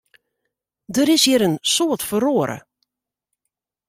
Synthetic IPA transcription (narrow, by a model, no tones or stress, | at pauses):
dəɾɪsjɪɾənsoətfəroːɾʔə̰